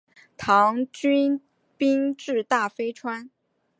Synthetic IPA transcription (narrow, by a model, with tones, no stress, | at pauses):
t̪ʰɑ˧˥ŋt͡ɕy˥n | pi˥ŋʈ͡ʂɻ̩˥˧t̪a˥˩fe˥ɪʈ͡ʂʰwa˥n